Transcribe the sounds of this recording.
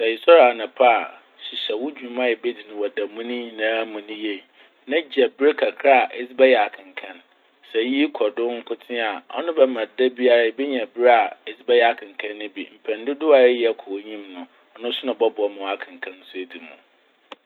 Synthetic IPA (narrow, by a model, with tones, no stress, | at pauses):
sɛ˨ɪ˨sɔ˦ɾa˨nã˨pʰa˦a˨ | ɕi˨ɕɛ˨wʊ˦d͡ʑᶣu˨˦mã˦jɛ˨be˦di˨nʊ̃˨wɔ˨da˨mũ˦nĩ˦nãː˨˦mũ˨nĩ˦je˨ | nã˦d͡ʑi˨ɛ˨bɪ˦ɾe˦kʰa˨kʰɾa˦a˨ʔɪ˦sbɛ˦jɛ˨a˨kʰɪ̃˨ŋ˨kʰã˦n | sɛ˨ji˦kʰɔ˨dʊ̃˦ŋ̩˦kʰʊ˦tʰɪ̃˦a˨ɔ̰˦nʊ̃˦bɛ˨mã˨da˦bi˦a˦ɾa˦˨˦be˦ɲɛ̃˨bɪ˦ɾa˨ɪ˦sbɛ˦jɛ˨a˨kʰɪ̃˨ŋ˨kʰã˦nːɪ̃˦bḭ˨m̩˨pʰɛ̃˨n˦dɪ˦dʊ˦a˨ɾɪ˦jɛ˨˦˨kʰɔ˨˦ɲĩ˦mnʊ̃˨ | ɔ˨nʊ̃˦sʊ˦nʊ̃˨bɔ˦bɔ˨˦mʊ̃˨wa˨kʰɪ̃˨ŋ˨kʰã˦n̩˦sʊ˦e˨di˨mṵ̃˨